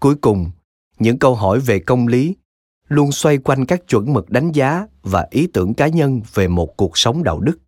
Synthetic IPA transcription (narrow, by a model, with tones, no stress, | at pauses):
ku˨˦jkʊ˨˩ŋ͡m | ɲɨ̰˧˥ŋkə˧wɦɔ˧˩jve˨˩kə˧wŋ͡mli˨˦ | lu˧ənswa˧jkwa˧jŋ̟kaː˦˥k̚t͡ɕwə̰˧˥nmɨ˨˩k̚ɗa˨˦jŋ̟zaː˨˦vaː˨˩ʔi˨˦t̪ɨ˧˩əŋkaː˨˦ɲə˧nve˨˩mo˨˩t̚ku˨˩ək̚sə˨˦wŋ͡mɗa̰ː˧˨wɗɨ˦˥k̚